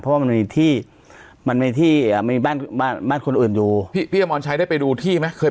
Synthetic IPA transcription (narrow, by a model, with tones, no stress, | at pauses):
pʰɾɔ˦waː˥˩ma˧miː˧t̪ʰiː˥˩ | ma˧nma˥˧˩t̪ʰiː˥˩ʔːm˥iː˧baː˥˩nbaː˥˩nbaː˥˩nkʰo˧nʔɯː˨˩njuː˨˩pʰiː˥˩pʰiː˥˩a˧mɔː˧nt͡ɕʰa˦˥jdaː˥˩pa˧jduː˧t̪ʰiː˥˩ma˦˥kʰɤː˧